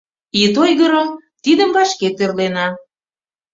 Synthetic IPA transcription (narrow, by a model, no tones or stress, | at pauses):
it̪̬ojɣəɾət̪id̪əmbɑʃket̪erlenɑ